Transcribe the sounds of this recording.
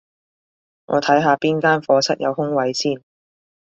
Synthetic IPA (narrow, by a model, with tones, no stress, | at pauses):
ŋʔɔ̰ː˨˧t̪ʰɐ˨˥jɦaː˧piː˥nkaː˥nfɔː˧sɐ˥t̚jɐ̰˨˧whʊ˥ŋwɐ˨˧jsiː˥˩n